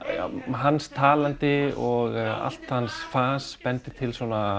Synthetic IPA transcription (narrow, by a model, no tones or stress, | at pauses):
ɦanːst̪ʰaːlant̪ɪɔɣa̰l̥t̪hansfaːspɛnt̪ɪt̪ʰɪlsɔna